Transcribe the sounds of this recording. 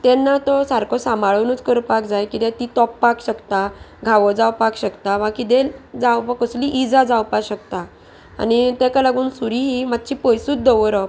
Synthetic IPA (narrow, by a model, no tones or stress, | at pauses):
t̪ɛnːat̪ɔsaɾkʰɔsamaɭənut͡skəɾpakd͡zajkit̪et̪it̪ɔpːakʰɕəkt̪aɡʱaʋɔd͡zawpakɕəkt̪aʋãkit̪ed͡zawpakəsliʔid͡zad͡zawpaɕəkt̪a̰ː | nit̪ekalaɡuːnsuɾiɦimat̪̚t͡ɕiːpɔjsuːt͡sd̪ɔʋɾə